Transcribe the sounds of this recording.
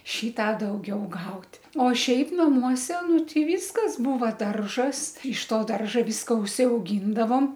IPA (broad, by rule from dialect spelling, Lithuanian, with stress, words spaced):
ˈʃʲiː ˈtɑː dɐʊˈɡʲɛʊ ˈɡɐʊtʲ oː ˈʃʲɛɪp nɐˈmuɔsʲɛ ˈnʊ ˈtʲɪ ˈʋʲiːskɐs ˈbuːʋɐ ˈdɐrʒɐs ɪʃ ˈtoː ˈdɐrʒɐ ˈʋʲiːskɐ ʊʃʲsʲɛʊˈɡʲiːndɐʋoːm